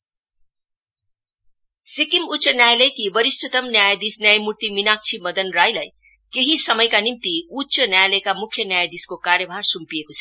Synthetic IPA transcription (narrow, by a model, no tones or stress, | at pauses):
sikimutːt͡ʃʌnjajlejkibʌɾistʰʌt̪ʌmnjajd̪isnjajmurt̪iminak̚t͡sʰimʌd̪ʌnrajlaj | keɦisʌmʌjkanimt̪iutːsʌnjajlejkamukʰːjʌnjajd̪iskokaɾjʌbʱarsumpiekot͡sʰʌ